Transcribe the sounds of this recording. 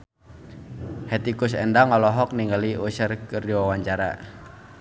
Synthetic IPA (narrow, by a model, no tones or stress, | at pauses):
hɛt̪ikʊs̬ɛ̰ndaŋɔlɔɦɔk̚niŋɡəliusərkəriwawaɲt͡ʃaɾa̰